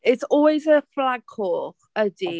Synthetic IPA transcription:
ɪtsɔlˠwɪzəflaɡ̥̚ʰɔːχədi

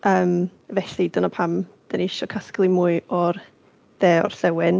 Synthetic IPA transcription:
ʔəːmvɛɬidənɔpʰamd̥əniɪʃɔkʰasklˠimuːɨɔr | ðɛːɔ̰r̥ɬɛwɛn

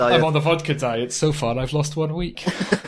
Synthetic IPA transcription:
ãɪ̃mə̃nðəvɔd̚kʰədaɪɪtsoʊfɑːɹaɪvlɔst̚ʰwʌ̃nwiˑk

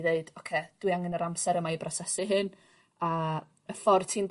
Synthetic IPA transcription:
ðeɨd̥ɔkʰeːd̥wiaŋɛnəɾamsɛɾəmajbrɔsɛsɪɦɨn | ə | əfɔrtʰiːnd

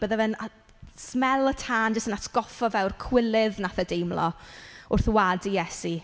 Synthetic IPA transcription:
b̥əːðavɛna | smɛlˠətʰaːnd͡ʒəstənatʰɡ̥ɔfɔvɛwrkʰw̥ɪlˠɪðnaθədejmlˠɔ̰ʊrθwadijɛsi

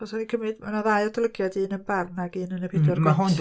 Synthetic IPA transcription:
ɔsaðikʰəmɨdmanaðajɔdɔlˠəɡjadɨːnənbarnaɡɨːnənəpʰedɔrwaɦɔn

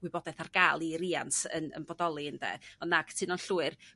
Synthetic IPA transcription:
wɪbɔdɛθarɡaːlˠiɾiːantə̰nə̰nbɔdɔlˠiəndɛ̰ɔnːaɡtʰɨnɔnɬuːɨr

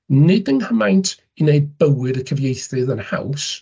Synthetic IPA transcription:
nɪdənhəmajntʰ | ineɨd̚bəwɨdəkʰəvjejθɨðənha̰ws

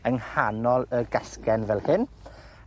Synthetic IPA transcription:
əŋhanɔlˠəɡəskɛnvɛlˠhɪn

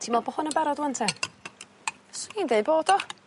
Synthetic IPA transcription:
tʰiːmɔbɔhʊnəbɛɾɔdwəntʰɛ | sniːndejdboːd̥ɔ

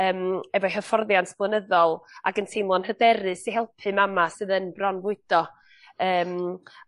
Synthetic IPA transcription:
əːmɛvɔjhəfɔrðjantʰb̥lˠənəðɔlˠa̰ɡəntʰejmlˠɔnhədɛɾɨsiɦɛlˠpʰɨmamasɨðənbrɔnvʊɨd̥ɔ | əːm

